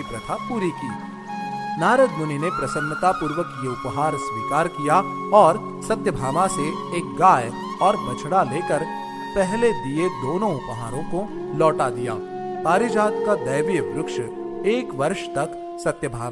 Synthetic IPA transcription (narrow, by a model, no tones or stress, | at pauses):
ipɾɐt̪ʰapuːɾikiː | naːɾəd̪mʊninepɾɐsə̃nːət̪apuːɾʋəkjeʊpɦaːɾsʋiːkaːɾkija | ɔːɾ | sɐt̪jəbʱaːmase | eːk̚ɡaːj | ɔːɾbɐt͡ʃʰɽaleːkəɾ | pɛɦled̪ied̪oːnõʊpɦaːɾõko | lɔːʈad̪ija̰ː | paːɾɪd͡ʒaːd̪kad̪ɐjʋjəbɾʊkʃ | eːkʋɐɾʃt̪ɐk | sɐt̪jəbʱaːma